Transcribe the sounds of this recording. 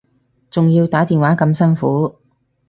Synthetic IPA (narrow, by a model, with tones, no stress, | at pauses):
t͡sʊ˨ŋjiː˧wt̪aː˨˥t̪iː˨nwaː˨˥kɐ˧msɐ˥nfuː˨˥